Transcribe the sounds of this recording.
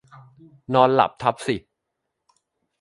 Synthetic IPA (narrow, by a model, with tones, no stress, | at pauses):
nɔː˧nla̰˨˩p̚t̪ʰa˦˥p̚si˨˩